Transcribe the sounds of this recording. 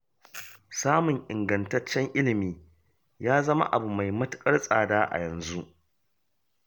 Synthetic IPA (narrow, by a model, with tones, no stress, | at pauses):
saː˦mʊ˨ŋʔɪ˨ŋɡɐ˨ntɐ˦t͡ʃːɛ˦ŋʔɪ˦lɪ˨miː˦ | jaː˦zɐ˦ma̰˦ʔa˨bu˨ma˨jmɐ˦tʊ˦kʼɐ˦rsʼaː˨daː˦ʔa̰˨jɐ˨nzu˦ʔ